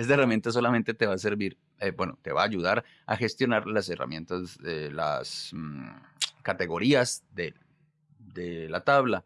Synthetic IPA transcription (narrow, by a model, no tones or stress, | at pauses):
est̪aeramje̞nt̪as̬o̞lamẽ̞nt̪et̪e̞βase̞ɾβiɾ | ebwe̞no̞̰t̪e̞βaːʝuðaɾ | a̰xe̞st̪jo̞naɾlase̞ra̰mjẽ̞nt̪azela̰s | kat̪e̞ɣo̞ɾiazd̪e | d̪elat̪aβla